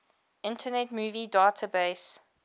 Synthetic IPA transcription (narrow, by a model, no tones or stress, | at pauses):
ɪ̃ntʰənɛtmuːvidaːtʰəbeːs